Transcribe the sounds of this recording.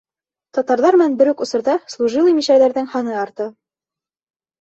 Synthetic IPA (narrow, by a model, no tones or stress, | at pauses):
t̪ɒt̪ɑɾðɑɾmɘ̆nænbɘ̆ɾʉkŏsɤ̆ɾðɑslˠuʒilˠɤmiʃæɾðæɾðɘŋhɑnɤɑɾt̪ɤ